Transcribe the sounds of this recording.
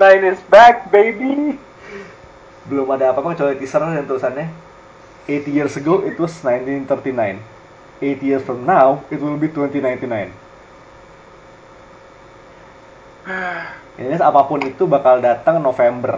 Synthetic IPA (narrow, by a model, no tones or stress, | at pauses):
najnɪsbɛk̚bejbi | bəlʊmadaːpapʊŋt͡ʃolɛt̪isərlajaŋt̪ulusanɲa | et̪ijirsəɡoɪt̪wɔsnajnt̪int̪ərt̪inajn | et̪ijirsfɾɔmnawɪt̪wɪləbiht̪wɛnt̪inajnt̪inajn | aasapapʊnit̪ubakaldat̪aŋnofembər